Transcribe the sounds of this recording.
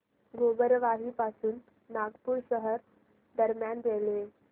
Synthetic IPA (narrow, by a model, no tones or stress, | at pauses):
ɡʱobəɾʋaɦiːpasuːnː | aɡpuːɾɕəɦəɾ | d̪əɾmjanɾele